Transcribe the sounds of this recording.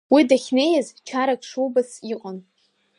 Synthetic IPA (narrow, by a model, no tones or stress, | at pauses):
widaχʲne̞jazt͡ʃʰaɾakʰʼʂuwbasiqʷʼan